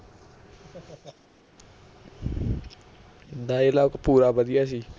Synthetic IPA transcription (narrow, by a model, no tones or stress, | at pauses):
d̪aːelaːʊkpuːɾaːbəd̪ijaːs̬iː